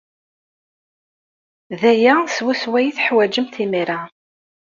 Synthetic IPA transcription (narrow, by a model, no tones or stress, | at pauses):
ðæjæswæswæjiθħwæd͡ʒəmθimiɾa